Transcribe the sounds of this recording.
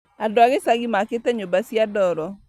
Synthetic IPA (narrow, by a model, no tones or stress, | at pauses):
adoaɣesaɡimaketɛɲobasjadɔɾɔ